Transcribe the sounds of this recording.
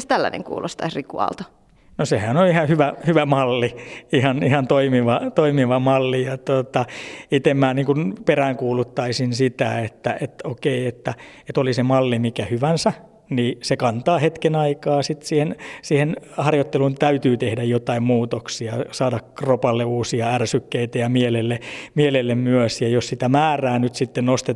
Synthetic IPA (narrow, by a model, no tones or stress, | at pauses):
st̪ælːæ̰nḛŋkṵːlʔo̰st̪ɑisrikṵɑ̰lt̪o̥ | nosehæːnolihɑhyʋæhyʋæmɑlːiihɑnihɑnt̪oimiʋɑt̪oimiʋɑmɑlːijɑt̪ot̪ɑit̪emːæːniːŋkunperæːŋkuːlut̪ːɑisinsit̪æet̪ːæ̰ʔet̪okeiet̪ːæet̪olisemɑlːimikæhyʋænsæ | niːsekɑnt̪ɑːhet̪kenɑikɑːsit̪siːhensiːhenhɑrjot̪ːelunt̪æyt̪yːt̪ehdæjjot̪ɑimmuːt̪oksiɑsɑːdɑkkropɑlːeuːsiɑærsykːeit̪æjɑmielelːemielelːemmyøsjɑjossit̪æmæːræːnyt̪sit̪ːennost̪e